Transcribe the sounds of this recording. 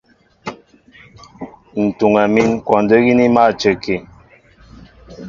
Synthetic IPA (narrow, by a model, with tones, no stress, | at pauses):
n̩˨tu˨ŋa˨mi˦nkwɔ˨ndə˦ɣi˦ni˦ma˦˨t͡ʃə˨ke˨